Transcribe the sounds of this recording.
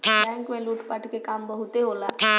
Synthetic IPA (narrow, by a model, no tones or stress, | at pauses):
bɛ̃ːŋkmẽluːʈpɐʈkekaːmbɐɦʊt̪eɦoːlaː